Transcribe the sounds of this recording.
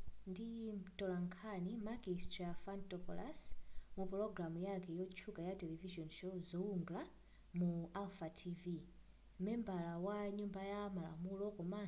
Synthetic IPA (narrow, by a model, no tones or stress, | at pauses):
ndimtɔlaŋkʰanimaɡistɾafantɔpɔla̰smupɔlɔɡɾamujakɛjɔt͡ʃʰukajatɛlɛviʒɔnʃɔzɔuŋɡla | mualfatʰivi | mɛmbalawaɲumbajamala̰mulɔkɔma